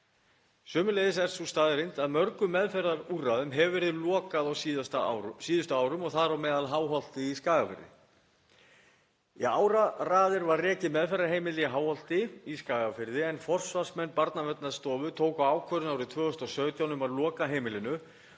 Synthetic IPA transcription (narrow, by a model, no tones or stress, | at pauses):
sʏːmʏlejðɪsɛr̥sust̪aːðɪɾejnt̪aðmœɾkʏmɛðfɛɾðaɾurːaðʏmɦɛvvɛɾɪðlɔːkaðawsst̪siːðʏst̪ʏaːwɾʏmɔɣθaðɾawmɛːðalɦaːwɦɔl̥t̪ɪiskaːɣafɪ̰ɾðɪ̰ | iaːwɾaraːðɪɾvarrɛːcɪmɛðfɛɾaɦeːjmɪlɛɦaːwhɔl̥t̪ɪiskaːɣafɪɾðɪɛnfɔr̥svasmɛnːpaɾt̪navɛt̪naðst̪ɔːvʏt̪ʰoːwkawaːwkʰvœɾʏnawɾɪt̪ʰvœːɣʏst̪ɔsœːɥt̪jawnʏmaðlɔːkaɦeːjmɪlɪnʏ